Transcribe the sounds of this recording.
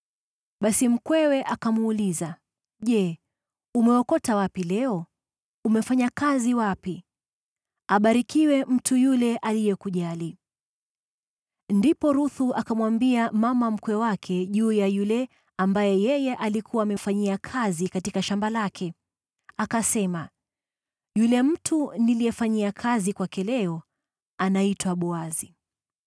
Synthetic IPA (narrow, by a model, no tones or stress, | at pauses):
ɓasim̩kwɛwɛʔakamuːliza | ʄɛ | umɛɔkɔtawapilɛɔ | umɛfaɲakaziwapi | aɓaɾikiwɛm̩tujulɛʔalijɛkuʄali | ndipɔɾuθuʔakamwambiamamam̩kwɛwakʰɛʄuːjajulɛ | ambajɛjɛjɛʔalikʰuwaːmɛfaɲiakʰazikatikaʃambalakʰɛ | akasɛma | julɛm̩tʰunilijɛfaɲiakʰazikwakɛlɛɔ | anaitwaɓɔazi